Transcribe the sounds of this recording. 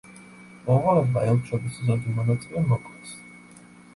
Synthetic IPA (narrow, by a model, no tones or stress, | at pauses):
mɔmʁalɛbaɛlʃʰɔb̪iszɔd̪imɔnat̪sʼilɛmɔkʼɛs